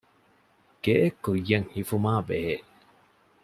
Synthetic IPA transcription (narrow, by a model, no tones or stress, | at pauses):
ɡ̥eʔekːujːɐŋhifumaːbeɦeːʔ